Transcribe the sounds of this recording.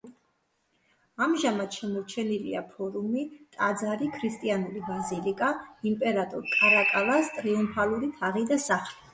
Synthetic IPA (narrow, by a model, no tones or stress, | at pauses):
amʒamat̪ʃɛmɔɾt͡ʃʰɛnilḭa̰pʰɔɾumit̪ʼad̪zaɾikʰɾist̪ʼianulibazilikʼaimpʼɛɾat̪ʼɔ̰ɾkʼaɾakʼalast̪ʼɾiumpʰaluɾit̪ʰaʁid̪asaχli